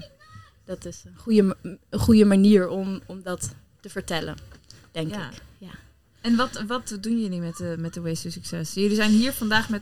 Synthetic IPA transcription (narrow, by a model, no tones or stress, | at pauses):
d̥ɑtɪsənχujəənχujəmaniːɹɔmɔmdɑt | təvəɹtɛlə̰n | d̥ɛŋkɪkja | ɛnʋɑtʋɑtdunjəlymɛtəmɛt̚dəwejstusyksɛsjɵlizɛjnɦiːɹvɑndaːχmɛt